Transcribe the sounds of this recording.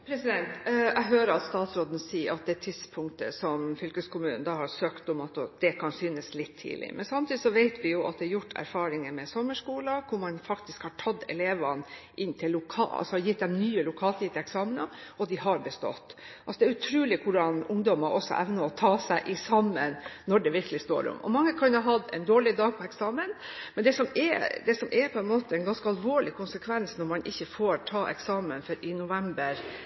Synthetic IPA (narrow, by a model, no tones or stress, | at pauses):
pʰɾɛsɪd̪ɛnt̪æɦøːɾəɾɑt̪st̪ɑːt̪sɾoːd̪n̩siːəɾɑt̪̚d̪ɛæt̪ʰɪd̪spʰʊŋkt̪ə̰sɔmfʏlkəskʰʊmʉːnən̩d̪ɑːhɑɾsøːkt̪ɔmɑt̪d̪̥ɛkʰɑnsyːnəslɪt̪ʰːḭːlɪ̰mɛnsɑmt̪iːd̪ɪsɔʋeɪt̪ʰʋɪjʊʔɑ̰t̪̚d̪ɛɑjʊʈːæ̰ɾfɑːɾɪŋəmɛsɔmːəʂkuːlɑkʰʊɾmɑnfɑkt̪ɪskhɑʈʰɑd̪ɛ̰leːʋɑnʔɪnːt̪ʰɪlːʊkʰɑɑ̰lsɔɑjɪt̪̚d̪ɛmnyːəlʊkʰɑːlt̪iːt̪ɛksɑːmənəɔd̪ɪɦɑɾbəst̪ɔ̰t̪ː | ʔʔɑlsɔd̪ɛæːɾʉt̪ʰɾʉːlɪkʰʊɖɑnʊŋd̪ɔmɑʔɔsːɔ̰ʔæʋnəɔt̪ʰɑːsæɪʔɪsɑmːənnɔɖɛʋɪɾkəlɪst̪o̰ːɾʊ̰mʔɔ̰mɑŋːəkʰɑnhɑɦɑd̪ɛ̰nd̪oːɭɪd̪ɑːɡ̚pʰɔɛksɑːmənmɛnd̪ɛsɔmɛ̰d̪ɛsɔmʔɛɾpʰɔɛnmoːt̪əɛnɡɑnskəɑlʋoːɭɪkʰʊnsəkʰʋɛnsnɔɾmɑnʔɪçːəfoːɾʈʰɑːʔɛ̰ksɑːmənfɔɾɪnʊʋɛmbəɾ